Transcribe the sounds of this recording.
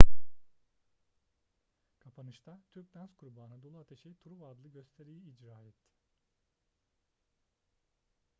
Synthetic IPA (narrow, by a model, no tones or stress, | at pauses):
kʰapʰanɯt͡ʃt̪ʰat̪ʰyɾp̚d̪ænskʰuɾbaːnad̪o̞lˠuat̪ʰe̞ʃejit̪ʰuɾuvad̪lˠɯɟø̞st̪ʰe̞ɾijiːd͡ʒɾaːɛt̪ʰːɪ̥